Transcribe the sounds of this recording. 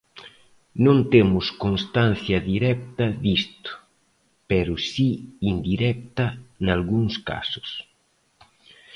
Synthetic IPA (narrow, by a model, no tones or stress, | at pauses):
nõnt̪emʊskonst̪an̟θjɐðiɾɛk̚t̪ɐðist̪ʊ̥ | pɛɾʊsiːnd̪iɾɛk̚t̪ɐnalɣuŋska̰sʊ̥s